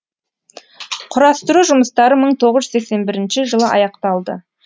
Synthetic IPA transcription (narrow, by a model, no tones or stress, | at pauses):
qʰʊɾɑst̪əɾuʒʊməst̪ɑɾəməɴt̪ʰoʁəzʒʏ̥ekse̞nbɪɾɪnʃɪʒəlˠəʔɑ̰jɑqt̪ɑlˠd̪ə̰